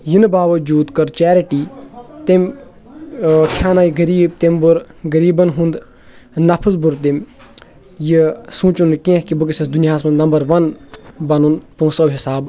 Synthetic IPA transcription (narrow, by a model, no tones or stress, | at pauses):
jinbaːʋɐd͡ʒuːd̪kɐɾt͡ʃɛːɾiʈiːt̪emʲ | kʰjaːnaːjɡɐɾiːb̚t̪embuɾɡɐɾiːbɐnɦũnd̪ | nɐpʰɨzbuɾt̪̬imʲ | jisũːt͡ʃunkẽɦkibɨk̬isɐsd̪unijaːsmɐnnɐmbɐɾʋɐnbɐnunpũːsɐwɦisaːb